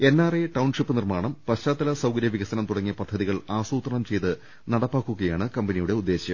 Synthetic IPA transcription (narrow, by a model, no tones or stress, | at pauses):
e̞nːaːreʈɐwɳʂipːɨnirmaːɳɐmpɐɕtaːt̪ːɐlɐsɐwkɐɾjɐʋiɣɐsɐnɐmt̪uɽɐŋːijɐpɐd̪ʱːɐðiɣɐɭaːsuːt̪rɐɳɐmt͡ɕe̞jt̪ɨ | nɐɽɐpːaːkːuɣɐjaːɳɨkɐmbɐnijuɽe̞ud̪ːe̞ːɕjɐm